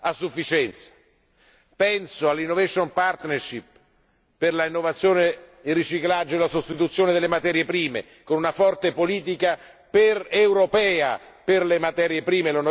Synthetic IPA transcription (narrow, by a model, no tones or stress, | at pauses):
asːufːit͡ʃɛnt̪sḁ | pɛnsoalːinːovɛʃonpart̪nerʃipː | erlainːovat̪sːjoːneirːit͡ʃiklad͡ʒːoelasost̪it̪ut̪sːjoːned̪elːemat̪ɛːɾjepɾiːmḛ | konunafɔrt̪epoliːt̪̬ika | perewɾopɛːa | perlemat̪ɛːɾjepɾiːmelon